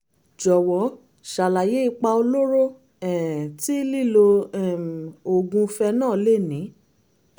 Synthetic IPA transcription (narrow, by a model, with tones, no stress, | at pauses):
d͡ʒɔ˨wɔ˨˦ | ʃa˨la˨je˨˦i˦˧k͡pa˧o˧lo˦ɾo˦˨ | ɛ˨ti˦li˦˨lo˧ɛ˦˨o˨ɡũ˧fɛ˧nãː˦˨le˦˨nĩ˨˦